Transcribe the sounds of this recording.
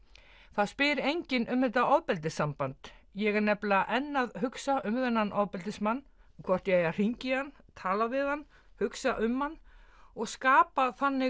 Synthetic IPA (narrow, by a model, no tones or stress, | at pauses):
θaðspɪɾejɲcɪnʔʏmːɪnt̪aɔðpɛlt̪ɪsampant̪jɛɣanɛplaʔɛnːaðɦʏksaʔʏmvɛnːanʔaðpɛlt̪ɪsmanːkʰvɔr̥t̪jaɛjar̥iɲcɪan | t̪ʰaːlavɪðanː | hʏksaʔʏmhanːɔɣskaːpaθanːɪ